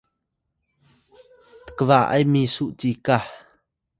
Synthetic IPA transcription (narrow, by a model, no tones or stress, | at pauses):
t̪ə̥kəvaʔɐ̰jmisuʔt͡sika